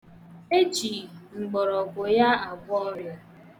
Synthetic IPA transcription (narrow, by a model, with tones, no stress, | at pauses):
e˦d͡ʒi˨ŋ͡m̩˨ɡ͡bɔ˨ɾɔ˨ɡʷʊ˨ja˦a˨ɡʷɔ˦ɔ˦ɾja˦